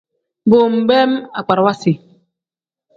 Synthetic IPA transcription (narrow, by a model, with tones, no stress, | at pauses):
bo˨m̩˨bɛ˦ma˨k͡pa˨ɾwa˦si˨